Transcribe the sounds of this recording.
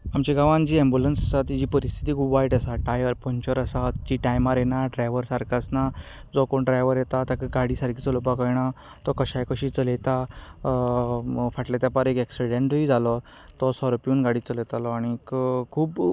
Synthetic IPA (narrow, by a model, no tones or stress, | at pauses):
amt͡ɕiɡaʋãnd͡ʑiːɛ̃mbulənsasat̪id͡ʑiːpəɾist̪ʰit̪iːkʰuːpʋaiʈəsaʈajəɾpɔ̃ɲt͡ɕəɾəsat͡ɕiʈajmaɾenaɖɾajʋəɾsaɾkasna | d͡zɔkoɳɖɾajʋəɾjet̪at̪akɡaɽiːsaɾkʰiːt͡solopakəjɳ̃a | t̪ɔkəɕajkəɕiːt͡səlet̪a | faʈlat̪japaɾekɛksiɽẽɳʈid͡zʱalɔ | t̪ɔsɔɾopjuːnɡaɽiːt͡səlet̪alɔaɽ̃ikkʰːuːp